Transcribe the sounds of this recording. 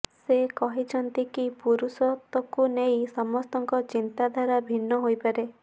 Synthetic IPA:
sekɔɦit͡ʃʰɔnt̪ikipuɾusɔt̪ɔkunejsɔmɔst̪ɔŋkɔt͡ʃint̪ad̪ʱaɾabʱinːɔɦojpaɾe

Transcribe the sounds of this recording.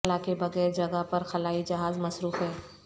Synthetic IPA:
lakebɐɣɛːɾd͡ʒɐɡapɐɾxɐlaːid͡ʒɐɦaːzmɐsɾuːfɦɛː

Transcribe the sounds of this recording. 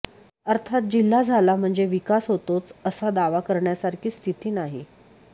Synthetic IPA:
əɾt̪ʰat̪̚d͡ʑilːad͡zʱalam̤əɳd͡zeʋikasɦot̪ot͡səsad̪aʋakəɾɳjasaɾkʰiːst̪ʰit̪iːnaɦi

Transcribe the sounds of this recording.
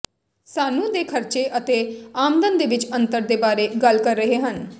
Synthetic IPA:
saːnũːd̪eːkʰəɾt͡ʃeːʔət̪eːaːmd̪ənd̪eːʋɪt͡ʃənt̪əɾd̪eːbaːɾeːɡəlkəɾːəɦeːɦən

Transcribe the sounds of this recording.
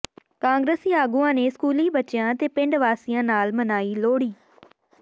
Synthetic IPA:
kãːŋɡɾəsiaːɡuːãːneːskuːliːbətːt͡ʃɪjãːt̪eːpɪ̃ɳɖʋaːsijãːnaːlmənaːiːloːɽiː

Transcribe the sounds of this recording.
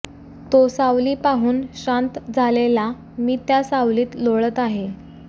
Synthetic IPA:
t̪osawliːpaɦuːnɕant̪d͡zʱalela | miːt̪jasawliːt̪loɭət̪aɦe

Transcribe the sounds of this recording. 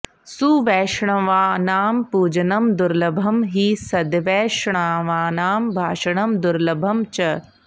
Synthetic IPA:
suʋɛːʃɳɐʋaːnaːmpuːd͡ʒɐnɐmd̪ʊɾlɐbʱɐmɦiːsɐd̪ʋɛːʃɳaːʋaːnaːmbʱaːʃɐɳɐmd̪ʊɾlɐbʱɐmt͡ʃɐ

